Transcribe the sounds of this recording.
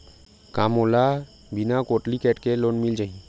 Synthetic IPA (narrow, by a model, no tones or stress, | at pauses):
kamola | binakoʈlikɛʈkelonmild͡ʒaĩ